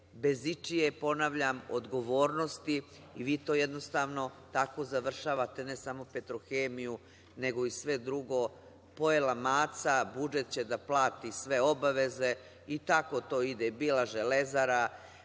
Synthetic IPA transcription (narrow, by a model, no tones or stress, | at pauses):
be̞zit͡ʂijepo̞naʋʎamo̰d̪ɡo̞ʋoːɾno̞st̪iː | ʋiːt̪o̞ːjed̪no̞st̪aːʋno̞t̪ako̞zaʋr̩ʃaːʋat̪e̞ne̞samo̞pe̞t̪ɾoxeːmiju | ne̞ɡo̞isʋe̞d̪ɾuɡo̞ | po̞elamaːt̪sabud͡ʒet̪t͡ɕe̞d̪aplˠaːt̪isʋe̞o̞baʋe̞ze̞ | it̪ako̞t̪o̞ːid̪ebiːlaʒelezaɾa